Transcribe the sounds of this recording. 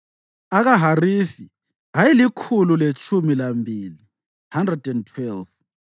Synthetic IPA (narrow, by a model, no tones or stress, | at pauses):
aɣaɦarifi | ɦajilikʰululet͡ʃʼʰumilambʱiːli | handrɛdɛntʰwɛlv